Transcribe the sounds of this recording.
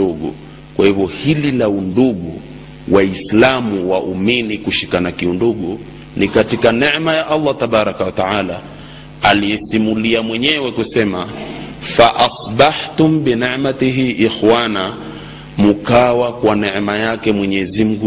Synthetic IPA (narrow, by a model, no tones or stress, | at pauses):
uɠṵ | kwahivjɔhililaunduɠu | wʔaislamuwaʔuminikuʃikanakiunduɠu | nikatikanɛʕmajaʔalˤːat̪aɓaɾakawat̪aʕala | alijɛsimuliamwɛɲɛwɛkusɛmafaʔasbaħt̪umbinɛʕmat̪iɦiʔixwana | mukawakwanɛʕmajakɛmwɛɲɛzim̩ɡu